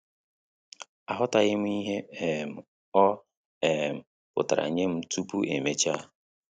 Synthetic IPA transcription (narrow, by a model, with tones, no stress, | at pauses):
a˨ɦʊ˦ta˨ɣɪ˦m̩˦i˦ɦe˦e˨m̩˨ | ɔ˦ | e˨m̩˨ | pʊ̰˨ta˨ɾa̰˨ɲe˦m̩˦tu˦pu˦ʔḛ˨me˨t͡ʃa˦˨